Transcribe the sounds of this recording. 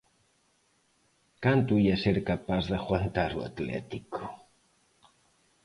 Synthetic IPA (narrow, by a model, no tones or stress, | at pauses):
kant̪uiaseɾkapazðaxwant̪aɾua̰t̪lɛ̰t̪iko̥